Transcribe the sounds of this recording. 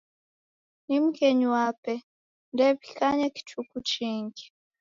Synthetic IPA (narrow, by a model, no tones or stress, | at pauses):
nimukeɲuwapɛ | ndeβikaɲeki̥tukut͡ʃiːŋɡi